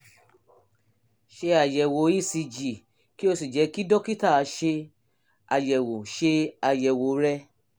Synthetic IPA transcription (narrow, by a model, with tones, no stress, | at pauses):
ʃe˧a˨jɛ˨wo˨˦i˦si˧d͡ʒi˨ | ki˦o˧si˨d͡ʒɛ˨˧˦ki˦dɔ˦ki˦ta˦˨˧ʃe˧ | a̰˨jɛ˨wo˨ʃe˧a˧jɛ˨wo˨˦ɾɛ˧